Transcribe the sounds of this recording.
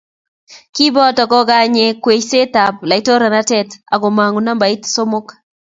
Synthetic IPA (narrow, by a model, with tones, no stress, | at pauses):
ki˦bɔ˦tɔ˨kɔ˦ɡa˦ɲe˨kwe˨t͡ʃse˦ta˨p̚la˨i˦to˦ɾa˨na˦tɛ˦ta˨ɡo˨ma˨ŋu˨na˦mba˨ɪ˦tso˦mo˦k